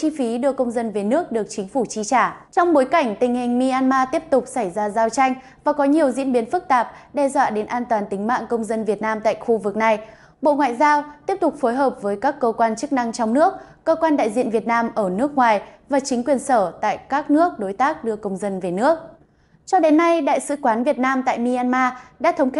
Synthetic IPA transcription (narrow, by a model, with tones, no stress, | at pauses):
t͡ɕi˧fi˨˦ɗɨ˧əkə˧wŋ͡mzə˧nve˨˩nɨ˦˥ək̚ɗɨ˨˩ək̚t͡ɕï˨˦ŋ̟fu˧˩t͡ɕi˧t͡ɕaː˧˩t͡ɕɔ˧wŋ͡mɓo˨˦jka˧˩jŋ̟t̪ï˨˩ŋ̟hï˨˩ŋ̟mi˧ʔaː˧nmaː˧t̪i˦˥əp̚t̪ʊ˨˩k͡p̚sa˧˩jzaː˧zaː˧wt͡ɕa˧jŋ̟ | vaː˨˩kɔ˨˦ɲi˨˩əwzḭ˧˥ənɓi˨˦ənfɨ˦˥k̚t̪aː˨˩p̚ɗɛ˧zwa̰ː˧˨ɗe˨˦nʔaː˧nt̪waː˨˩nt̪ï˨˦ŋ̟ma̰ː˧˨nkə˧wŋ͡mzə˧nvi˨˩ət̚naː˧mt̪a̰ː˧˨jxu˧vɨ˨˩k̚na˨˩j | ɓo̰˧˨ŋwa̰ː˧˨jzaː˧wt̪i˦˥əp̚t̪ʊ˨˩k͡p̚fo˨˦jɦəː˨˩p̚vəː˨˦jkaː˦˥kːəː˧kwaː˧nt͡ɕɨ˦˥k̚na˧ŋt͡ɕɔ˧wŋ͡mnɨ˦˥ək̚ːəː˧kwaː˧nɗa̰ː˧˨jzḭ˧˨ənvi˨˩ət̚naː˧mʔəː˧˩nɨ˦˥ək̚ŋwaː˨˩jvaː˨˩t͡ɕï˨˦ŋ̟kwi˨˩ənsəː˧˩t̪a̰ː˧˨jkaː˦˥k̚nɨ˦˥ək̚ɗo˨˦jt̪aː˦˥k̚ɗɨ˧əkə˧wŋ͡mzə˧nve˨˩nɨ˦˥ək̚ | t͡ɕɔ˧ɗe˨˦nːa˧jɗa̰ː˧˨jsɨ̰˧˥kwaː˨˦nvi˨˩ət̚naː˧mt̪a̰ː˧˨jmi˧ʔaː˧nmaː˧ɗa̰ː˧˥t̪ʰə˨˦wŋ͡mk